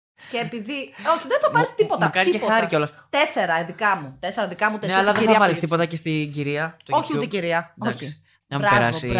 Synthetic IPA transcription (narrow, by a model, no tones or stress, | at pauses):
ceːpiðio̞çiðenθɐpɐɾist̪ipot̪ɐkɐnexɐɾiceo̞lɐst̪e̞se̞ɾɐiðikɐmut̪e̞seɾɐðikɐmut̪enseɐlɐɐðeθɐɐpɐɾist̪ipo̞t̪ɐcest̪iɟiɾiɐoçiut̪eciɾiɐoçi | ɐmɾɐeɾɐsi